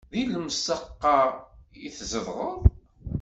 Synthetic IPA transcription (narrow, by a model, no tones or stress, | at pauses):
ðiləmsəqːɑjiθzəðʁəðˤ